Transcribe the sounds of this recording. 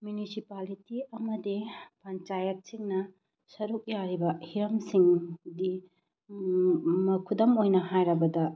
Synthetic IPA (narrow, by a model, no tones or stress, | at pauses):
mjunisipalitiɐmɐdipɐnt͡ʃajɐt̚siŋnɐ | sɐɾuk̚jaɾibɐhiɾɐmsiŋdi | mɐkʰudɐmojnɐɦajɾɐbɐdɐ